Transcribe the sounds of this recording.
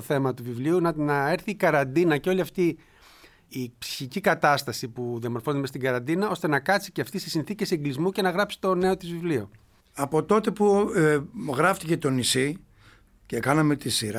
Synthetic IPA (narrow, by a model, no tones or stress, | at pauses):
oθe̞mɐt̪uvivliunɐnɐe̞ɾθiːkɐɾɐnd̪inɐceo̞liɐft̪iː | psi̥çicikɐt̪ɐst̪ɐsipuðiɐmo̞ɾfo̞nmest̪iɡɐɾɐnd̪inɐo̞st̪e̞nɐkɐsiceɐft̪isesinθice̞seŋɡlizmuce̞nɐɣɾɐpsi̥t̪o̞ne̞o̞t̪izvivlio | ɐpo̞t̪o̞t̪e̞pu | ɣɾɐft̪ice̞t̪o̞nisi | cekɐnɐme̞t̪isiɾ